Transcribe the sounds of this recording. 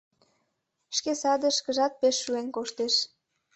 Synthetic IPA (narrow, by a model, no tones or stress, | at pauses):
ʃkesɑd̪ə̆ʃkəʒɑt̪̚peʃːuenkoʃt̪eʃ